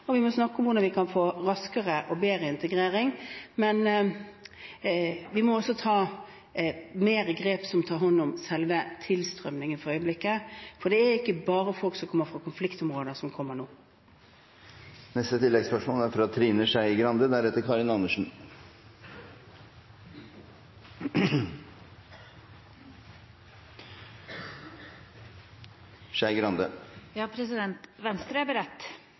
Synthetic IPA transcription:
ɔʋɪmɔsnɑkːɔmʋʊɾd̪ɑnʋɪkʰɑnfoːɾɑskəʁəʔɔbeːɾəɪnt̪əɡɾeːɾɪŋmɛn | ʋɪmɔɔsːɔt̪ʰɑː | meːɾəɡɾeːpsɔmt̪ʰɑːɾɦɑnːʊmsɛlʋət̪ʰɪlst̪ɾœ̰mnɪŋənfɔɾœʏəblɪkːəfɔɖɛæɪkːəbɑːɾəfɔlksɔmkʰɔmːəɾfɾɑkʰʊnflɪkt̪ɔmʁoːd̪əsɔmkʰɔmːəɳoː | nɛst̪ət̪ʰɪlːɛɡspœʂmoːlæɾfɾɑt̪ʰɾiːnəʂæɪɡɾɑnd̪əd̪æɾɛt̪ːəɾkʰɑɾɪnɑnəʂn̩ | ʂæɪɡɾɑnd̪əjɑːpʰɾɛsɪd̪ɛnt̪ʋɛnst̪ɾəæbəɾɛt̪ː

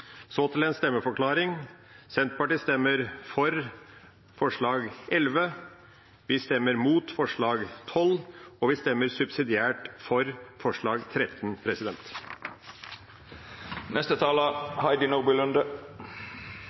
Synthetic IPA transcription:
soːt̪ʰɪlɛːnst̪ɛmːəfɔɾkʰlɑːɾɪŋ | sɛnt̪̚pɑʈiːst̪ɛmːəɾfɔɾ | fɔʂɭɑːɡʔɛlʋə | ʋɪst̪ɛmːəɾmuːt̪fɔʂɭɑːɡt̪ʰɔlːɔʋɪst̪ɛmːəɾsʉbsɪd̪ɪæːʈfɔɾfɔʂɭɑːɡt̪ʰɾɛt̪npʰɾɛsɪd̪ɛnt̪ | nɛst̪ət̪ʰɑːləhɑɪd̪ɪnoːbɪlʉnd̪ə

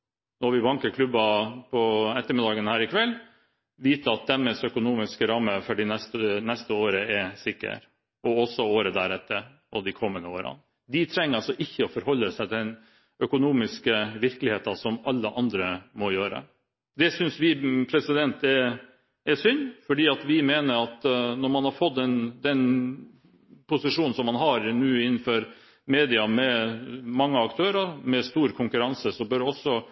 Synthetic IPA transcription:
nɔʋɪbɑŋkəkʰlʉbɑpʰɔɛt̪ːəɾmɪd̪ɑːɡənhæːɾɪkʰʋɛlː | ʋiːt̪əɑt̪̚d̪ɛmːɛsœkʊnuːmɪskɾɑmːəfɔɖɪnɛst̪ənɛst̪əoːɾəɛsɪkːə̰ɾ | ɔɔsːɔoːɾəd̪æɾɛt̪ːəɾ | ɔd̪ɪkʰɔmːənəoːɾɑ̰ | d̪ɪt̪ʰɾɛŋːəɾɑlsɔʔɪçːəɔfɔɾhɔlːəsɛt̪d̪ɛn | œkʊnuːmɪskəʋɪɾkəlɪheːt̪ɑsɔmɑlːəʔɑnd̪ɾəmɔjøːɾə̰ | d̪ɛsʏnsʋɪpʰɾɛsɪd̪ɛnt̪ɛ | ɛsʏnːfɔɖiːɑt̪ʋɪmeːnəɾɑt̪nɔɾmɑnhɑɾfɔt̪ːɛnd̪ɛn | pʰʊsɪʂuːnn̩sɔmːɑnɦɑɾnʉːɪnːn̩fɔɾ | meːd̪ɪɑmɛmɑŋːəɑkt̪ʰøːɾɑɾmɛst̪uːɾkʰʊŋkʉɾɑnsəsɔbœɾɔsːɔ

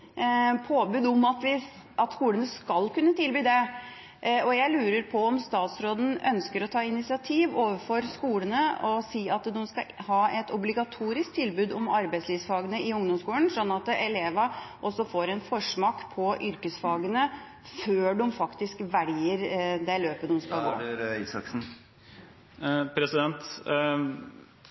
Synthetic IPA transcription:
pʰoːbʉːd̪ɔmɑt̪ʋɪ | ɑt̪skuːlənəskɑlkʉnːət̪ʰɪlbyːd̪ɛ | ɔjæɪlʉːɾəɾpʰɔɔmst̪ɑːt̪sɾoːd̪n̩œ̰nskəɾɔt̪ʰɑːɪnɪtsɪɑt̪ʰiːʋoːʋəfɔɾskuːlənəɔsiːɑt̪d̪ʊmskɑhɑːɛt̪ɔblɪɡɑt̪ʰuːɾɪsk̚t̪ʰɪlbʉːd̪ɔmɑɾbæɪsliːʋsfɑːɡənəɪʊŋd̪ɔmskuːlənsɔnːɑt̪ɛleːʋɑʔɔsːɔfoːɾɛnfɔʂmɑkpʰɔʔʏɾkəsfɑːɡənə | føːɖʊmfɑkt̪ɪskʋæɖ̪ɪːəɾd̪ɛløːpəd̪ʊmskɑɡo̰ːɪsɑ̰ksn̩ | pʰɾɛsɪd̪ɛnt̪

